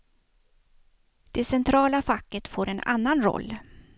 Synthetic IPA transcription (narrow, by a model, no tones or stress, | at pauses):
d̪̥ɛsɛnt̪ʰɾɑːlafakːət̪foːɾɛna̰nːanɾɔ̰lː